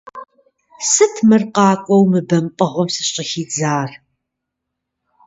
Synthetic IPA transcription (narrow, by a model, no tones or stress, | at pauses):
sɨtʰmɨrqɑːkʷʼɔwmɨbɐmpʼɐʁʷɔmsɨɕʼɐxiːd͡zaːr